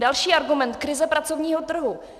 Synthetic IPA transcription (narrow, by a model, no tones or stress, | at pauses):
dalʃiːʔaɾɡumɛnt̪kɾɪzɛpɾat͡so̞vɲiːɦot̪r̩ɦu